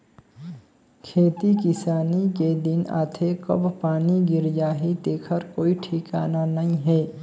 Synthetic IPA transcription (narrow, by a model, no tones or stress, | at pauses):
kʰeːt̪ikɪsaːniked̪ɪna̰ːt̪ʰekə̰bpaːniɡɪɾijaːɦit̪eːkʰəɾkoːiʈʰikaːnanəɦĩɦɛː